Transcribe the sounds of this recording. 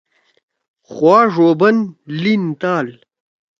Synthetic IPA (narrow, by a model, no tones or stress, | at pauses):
χwaːʐoːbɐnlint̪aːl